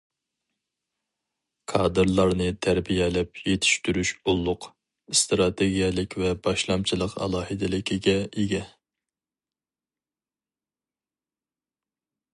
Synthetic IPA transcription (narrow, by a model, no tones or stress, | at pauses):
kʰɑːd̪ɨɾlˠɑɾnɨt̪ʰæɾbijɛlɛp̚jet̪ʰi̥ʃt̪yɾyʃulˠːʊq | st̪ɾɑt̪ʰeɡʲijɛlɪkʲvɛbɑʃlˠɑmt͡ʃʰilˠəqɑ̰lˠɑːhɨd̪ɪlɪkʲʰiɡʲɛiɡʲɛ